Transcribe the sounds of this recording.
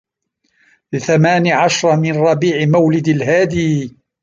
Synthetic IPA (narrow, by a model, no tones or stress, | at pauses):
lɪθamaːniʕaʃɾˤmɪnɾˤɑbiːʕɪmawlɪd̪alɦaːd̪iː